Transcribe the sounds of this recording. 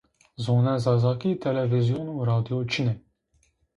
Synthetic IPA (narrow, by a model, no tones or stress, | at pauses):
zoːnɛzɑːzɑːkit̪ʰɛlɛvizijonuːɾɑːd̪ijot͡ʃʰinɛ